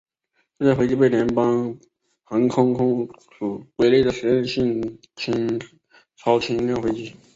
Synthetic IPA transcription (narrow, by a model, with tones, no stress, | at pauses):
ʈ͡ʂo˥˧t͡sa˥˩xwt͡ɕi˥p̬e˥˩ɪljɛ˧˥npɑ˥ŋ | xa˧˥ŋkʰʊ˥ŋkʰʊ˥ŋsu˨˩kwe˧˥ɪle˥˩d̪ə˩ʂɻ̩˧˥ɛ˥˧nɕi˥˩ŋ | t͡ɕʰi˧˥ŋ | ʈ͡ʂʰɑ˧˥ʊt͡ɕʰi˧˥ŋlxwe˧˥t͡ɕi˧˥˩